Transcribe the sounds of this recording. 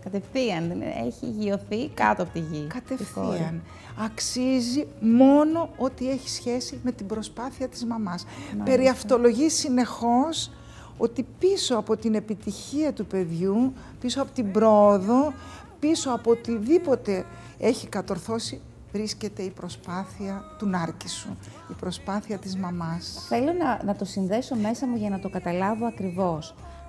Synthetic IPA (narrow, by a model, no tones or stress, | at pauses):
kɐt̪efθiɐnðen̰ḛçḭʝio̞θikɐ̰t̪oɐpot̪iʝikɐt̪e̞fθiɐn | ɐksizimo̞no̞o̞t̪ie̞çi̥sçe̞sime̞t̪ibɾo̞spɐθiɐt̪izmɐmɐspe̞ɾiɐft̪o̞lo̞ʝisine̞xo̞s | o̞t̪ipiso̞ɐpo̞t̪ine̞pit̪içiɐt̪upe̞ðʝu | piso̞ɐpo̞t̪ibɾo̞ːðo̞ | piso̞ɐpot̪iðipo̞t̪e̞ | eçikɐt̪o̞ɾθo̞si | vɾisce̞t̪e̞ipɾo̞spɐθiɐt̪unɐɾcisu | ipɾo̞spɐθiɐt̪izmɐmɐsθe̞lo̞nɐnɐt̪o̞sinðe̞so̞me̞sɐmuʝɐnɐt̪o̞kɐt̪ɐlɐvo̞ɐkɾivo̞s